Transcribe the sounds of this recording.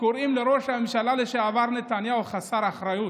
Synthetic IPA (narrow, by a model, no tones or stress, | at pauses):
koɾimlaɾoʂamʃalaleʃeavaɾnet̪anjawxasaɾaxɾaju